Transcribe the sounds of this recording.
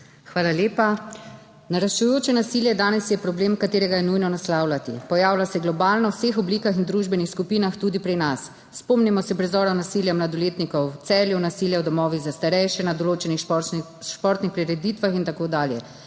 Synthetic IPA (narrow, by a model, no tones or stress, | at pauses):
xʋaːlaljeːpa | naɾaʃujoːt͡ʃɛnasiljɛd̪aːnɛsjɛpɾɔbleːmkat̪eːɾɛɡajɛnujnɔnaslaːwlat̪ḭpɔjaːwlasɛɡlɔbaːlnɔwsexɔblikaxind̪ɾuʒbɛnixskupiːnaxt̪uːd̪ipɾinasː | pɔmnimɔsɛpɾɛzɔːɾanasiljɛmlad̪ɔleːt̪nikɔwt̪sɛːljunasiljawd̪ɔmɔːʋiɣzast̪aɾɛjʃɛnad̪ɔloːt͡ʃɛni | ʃpɔɾt̪nixpɾiɾɛd̪iːt̪ʋaxint̪akoːd̪aːljɛ